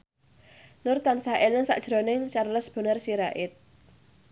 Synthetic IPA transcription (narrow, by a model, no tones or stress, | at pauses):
nʊrt̪ansahʔelɪŋsa̰ʔd̥ʒ̥ɾonɪŋt͡ʃarləsb̥ə̤nərsiɾaʔɪt̪̚